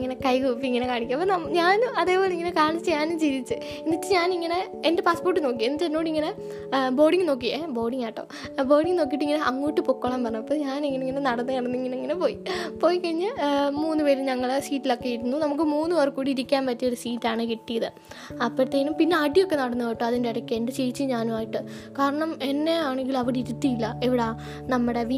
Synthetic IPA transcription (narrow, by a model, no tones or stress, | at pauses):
ŋːɐne̞kɐjkuːpːiiŋːɐnekaːɳikʲːɐmɐpːɐnɐmɲaːnumɐðe̞ːpoːleiŋːɐnekaːɳit͡ɕːɨɲaːnumt͡ɕiðit͡ɕːɨ | inːitːɨɲaːniŋːɐne̞ | ende̞paːspo̞ːrʈːɨno̞ːk̬ːienːɨt͡ɕːenːoːɽiŋːɐne̞ | bo̞ːɽiŋɡɨno̞ːk̬ːiebo̞ːɽiŋaːʈːɐ̰ | bo̞ːɽiŋɡno̞ːk̬ːiʈːɨiŋːɐneʔɐŋːuːjiʈːɨpokːoːɭaːmpɐrɐɲːɐpːoːɲaːniŋːɐneiŋːɐnenɐɽɐnːɨnɐɽɐnːuiŋːɐneiŋːɐnepoːjipoːjikːɐɻiɲːɨmuːnːɨʋeːliɲɐŋːɐɭsiːtːilo̞kːejiɾunːunɐmukːɨmuːnːɨʋɐrkuːɽiːɾikʲːaːnpɐtːɐoɾusiːtːaːɳɨkiʈːijɐðɨ | ɐpːoɾt̪ːejinumpinːe̞ɐʈijokːe̞nɐɽɐnːuʋɐːjʈːɨɐðindeɐɽɐkʲːeːɳɖɨt͡ɕejt͡ɕːɨɲaːnumaːjiʈːɨ | kaːɾɐɳɐme̞nːe̞aːɳeŋɡilɐʋiɽiɾut̪ːijilːɐeʋiɽe | nɐmːuɽeʋi